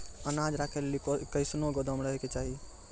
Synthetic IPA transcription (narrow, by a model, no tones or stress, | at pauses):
ənad͡ʒɾaːkʰelːikəɪsnoɡod̪əmɾəɦeket͡ʃaːɦi